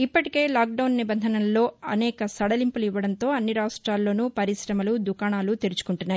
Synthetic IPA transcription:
ipːɐʈike̞ːlaːk̚ɖɐwnːibɐnd̪ʱɐnɐllo̞ːɐnɛːkɐsɐɽɐlimpuliʋːɐɽɐnt̪o̞ːɐnːiɾaːʋɐsʈɾaːlːo̞ːnupɐɾisɾɐmɐlud̪ukaːɳaːlut̪eɾut͡ʃu̥kuɳʈunːaːj

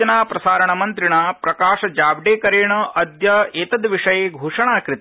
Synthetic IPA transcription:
ɐnaːpɾɐsaːɾɐɳɐmɐnt̪ɾiɳaːpɾɐkaːʂɐd͡ʒaːbɖeːkɐɾeːɳɐʔɐd̪jɐeːt̪ɐd̪ʋiʂɐjeːɡʱuːʂɐɳaːkɾɪt̪

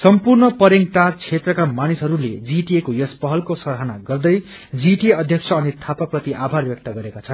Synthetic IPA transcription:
sʌmpurnʌpʌɾeŋɡʈart͡sʰet̪rʌkamanisɦʌɾuled͡ziʈiekojʌspʌɦʌlkosʌɾɦanaɡʌrd̪ʌj | d͡ziʈieʌd̪ʱjʌkt͡sʰʌːnit̪ʰapaprʌt̪iʔabʱarbjʌk̚t̪ʌɡʌɾekat͡sʰʌn

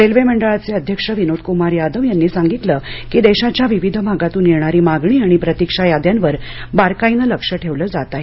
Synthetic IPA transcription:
ɾelʋeməɳɖəɭat͡seəd̪ʱjəkʂəʋinod̪̚kumaɾjad̪əʋjanːiːsaŋɡit̪ləkiːd̪eɕat͡ɕjaʋiʋid̪ʱəbʱaɡat̪uːnːiɾɳaɾiːmaɡɳ̃iːaɽ̃ipɾət̪ikʂajad̪janʋəɾbaɾkainələkʂəʈʰeʋləːd͡zat̪aɦe

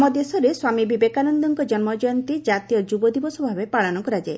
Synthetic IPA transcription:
mɔd̪esɔɾeswamibʱibekanɔnd̪ɔŋkɔd͡ʒɔnmɔd͡ʒɔjɔnt̪id͡ʒat̪ijɔd͡ʒubɔd̪ibɔsɔbʱabepaɭɔnɔkɔɾad͡ʒae

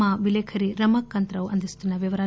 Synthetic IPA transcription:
aʋilekʰɐɾiɾɐmɐkːɐnt̪ɾɐʋɐ̰nd̪ɐst̪inɐʋjɐʋɐɾaː

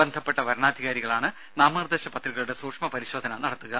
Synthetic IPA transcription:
end̪ʱɐpːe̞ʈːɐʋɐɾɐɳaːd̪ʱiɣaːɾiɣɐɭaːɳɨ | naːmaːrd̪eːɕɐpɐt̪riɣɐɭuɽe̞suːkʂmɐpɐɾiɕoːd̪ʱɐnɐnɐɽɐt̪ːuɣɐ

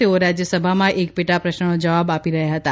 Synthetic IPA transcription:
eoɾad͡ʒjəsəbʱamãʔek̚pɪʈapɾəʃnənod͡ʒəʋabapiɾəɦjaɦət̪a

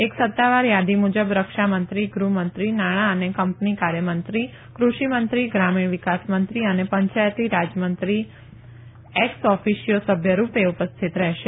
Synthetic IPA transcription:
eksət̪ːaʋaɾjad̪imud͡ʒəbɾəkʃamənt̪ɾiɡɾumənt̪ɾinaɽ̃aənekəmpnikaɾjəmənt̪ɾi | kɾuʃimənt̪ɾiɡɾamiɳ̃ʋikasmənt̪ɾiənepəɲt͡ʃajt̪iɾad͡ʒjəmənt̪ɾi | eksɔfiʃijosəbʱjəɾupeupəst̪ʰit̪ɾɛɦʃe

